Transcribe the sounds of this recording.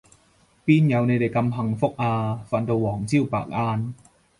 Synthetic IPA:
piː˥˨nja˨˧wna˧jda˨˩jka˧mha˧ŋfo˦˥˩k̚ʔaː˧fa˧nt̪o˧wɔː˩˦ŋt͡ɕʰi˥˩˨wpa̰ː˨˩k̚ʔaː˧n

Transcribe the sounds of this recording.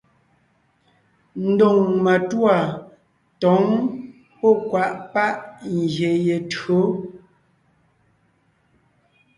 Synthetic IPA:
n̩˦do˨ŋma˨twa˨ | tɔ˨˦ŋ | pɔ˦˨kwa˦ʔpa˦ʔŋ˨ɡje˨je˨tɰo˨˦

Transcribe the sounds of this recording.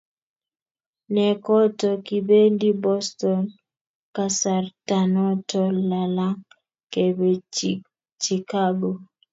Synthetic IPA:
nɛ˨kɔ˦tɔ˨ki˨be˦ndi˦bɔ˦stɔ˨n | ka˦sa˨rtanɔ˦tɔla˨la˦ŋ | ke˨be | t͡ʃi˨ka˦ɡo˨

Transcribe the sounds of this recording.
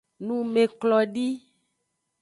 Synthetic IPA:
nũ˦me˨klɔ˨ɖi˦

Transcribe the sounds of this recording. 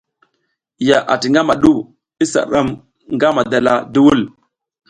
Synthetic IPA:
ja˨ʔa̰˨ti˨ŋɡa˦ma˨ɗu˦˨ | i˦sa̰˨ɗa˦m | ŋɡa˦ma˨da˨la˨du˦wu˦l

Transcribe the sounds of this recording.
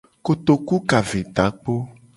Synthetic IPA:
ko˨t̪o˨ku˦ka˨ve˨t̪a˨˦k͡po˦

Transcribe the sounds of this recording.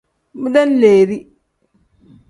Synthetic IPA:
mu˦da˦n˦leː˨ɾi˦

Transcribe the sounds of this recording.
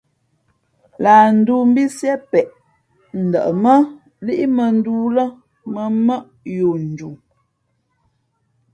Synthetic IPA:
laː˨n̩˨duː˦m̩˦bi˦sjɛ˦pɛ˨ʔ | n̩˨də̰˨ʔə˨mə˦ | li˦ʔi˦mə˨n̩˦duː˦lə˦ | mə˨mə˦ʔ | jo˨n̩˨d͡ʒu˨

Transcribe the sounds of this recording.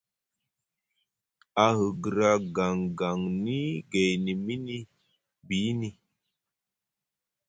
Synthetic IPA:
a˨hə˨ɡɨ˨ɾa˦ɡa˨ŋɡa˨ŋni˦ɡe˨jni˨mi˦ni˦ | bi˨˦ni˦

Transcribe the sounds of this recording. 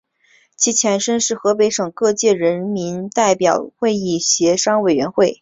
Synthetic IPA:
t͡ɕʰi˧˥t͡ɕʰjɛ˧˥nʂə˥nʂɻ̩˥˩xɤ˧˥pe˧˥ɪʂɤ˨˩ŋkɤ˥˧t͡ɕjɛ˥˩ɻə˧˥nmi˧˥nt̪a˥˩ɪpjɑ˨˩ʊxwe˥˧ɪi˥˩ɕjɛ˧˥ʂɑ˥ŋwe˨˩ɪɥɛ˧˥nxwe˥˩ɪ

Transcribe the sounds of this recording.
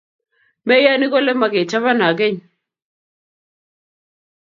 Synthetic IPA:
mɛ˦ja˦ni˦kɔ˦lɛ˦ma˨ke˨t͡ʃa˦βa˦na˨ɡe˦ɲ

